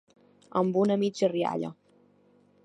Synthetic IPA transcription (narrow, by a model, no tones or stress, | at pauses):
əmbunəmid͡ʒəria̰ʎə̰